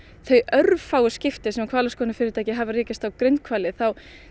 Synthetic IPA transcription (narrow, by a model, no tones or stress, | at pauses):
θœɥœɾvfaːwʏscɪft̪ɪsɛmakʰvaːlaskɔːnɪfɪɾɪɾt̪aːjcɪɦavariːcɪst̪awkɾent̪̚kʰvaːlɪθaw